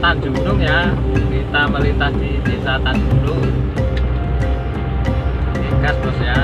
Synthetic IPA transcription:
t̪and͡ʒunʊŋja | lit̪aməlint̪asd̪̥idisat̪and͡ʒunʊŋ | eɡ̥ast̪ɔsja

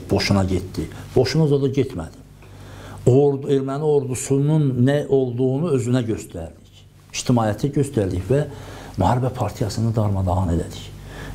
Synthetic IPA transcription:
b̥o̞ʃunɑɟet̪d̪ib̥o̞ʃunɑzɑd̪ɑɟet̪mæ̰d̪̥im | oɾe̞ɾmænio̞ɾd̪usununːæo̞lˠd̪uɣunuø̞zynæɟø̞st̪æɾd̪iç | iʃt̪ʰimɑːjæt̪ʰæɟøst̪æɾd̪içvæmyhɑɾibæpʰɑɾt̪ʰijɑsɯnɯd̪ɑɾmɑd̪ɑɑne̞læ̰d̪i̥ç

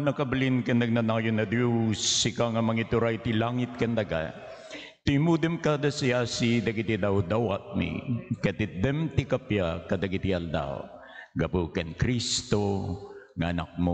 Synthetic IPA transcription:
nɐkɐbɪlinkɐnɐɡ̚nɐnajonːɐd̪jusːɪkaŋɐmɐŋit̪ʊɾajt̪ilaŋɪt̪̚kɐnd̪ɐɡa̰ | t̪ɪmud̪ɛmkad̪ɐsiasid̪ɐɡit̪id̪awd̪awat̪̚mḭkɐt̪ɪd̪ɛmt̪ɪkapjakɐd̪ɐɡit̪iɐld̪a̰w | ɡɐpukɐnkɾist̪o | ŋɐɐna̰k̚mo

